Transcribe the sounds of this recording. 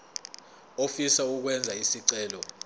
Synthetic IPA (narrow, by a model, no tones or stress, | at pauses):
ofisauk̬wɛnd͡zʱaisiǀɛːlɔ